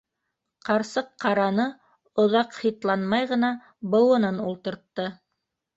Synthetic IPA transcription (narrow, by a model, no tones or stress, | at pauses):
qɑɾsɤqːɑɾɑnɤ | ŏðɑqχit̪lˠɑnmɑjʁɤ̆nɑ | bɤ̆wɤ̆nɤnulˠt̪ɤ̆ɾt̪ːɤ